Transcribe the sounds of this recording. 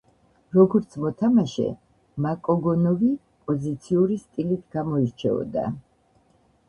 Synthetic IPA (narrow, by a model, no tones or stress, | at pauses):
ɾɔɡɔɾt̪sʰmɔt̪ʰamaʃɛ̰ | makʼɔɡɔnɔvi | pʼɔzit̪sʰiuɾist̪ʼilit̪ʰɡ̥amɔiɾt͡ʃʰɛ̰ɔ̰d̪a̰